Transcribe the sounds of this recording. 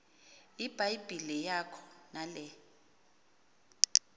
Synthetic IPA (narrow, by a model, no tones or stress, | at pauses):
ib̥ʱajb̥ʱilijakʰɔ̥nalɛ